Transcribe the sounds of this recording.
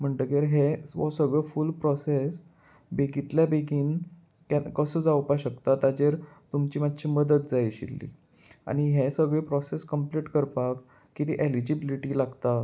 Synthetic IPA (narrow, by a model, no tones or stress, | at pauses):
m̤əɳʈəkeɾɦeɔsəɡɭefulpɾɔses | beɡit̪ljabeɡiːn | kakəsəːd͡zawpaɕəkt̪at̪ad͡ʑeɾt̪umt͡ɕiːmad̪ɕiməd̪ət̪d͡zajɕḭlːḭ | a̰ɽ̃ñiɦesəɡɭepɾɔseskəmpliʈkəɾpakː | it̪iʔelid͡ʑibiliʈilaɡt̪a